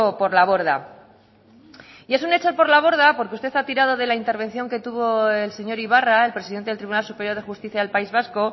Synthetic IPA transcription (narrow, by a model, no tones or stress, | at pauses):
po̞ɾlaβo̞ɾða̰ | ie̞s̬une̞t͡ʃopo̞ɾlaβ̞o̞ɾð̞apo̞ɾkeust̪e̞θat̪iɾað̞o̞ðe̞laint̪e̞ɾβ̞e̞nθjo̞ŋke̞t̪uβo̞e̞lse̞ɲo̞ɾiβ̞arae̞lpɾesiðent̪elt̪ɾiβunalsupe̞ɾjoð̞e̞xust̪iθjaðelpaizβ̞asko̞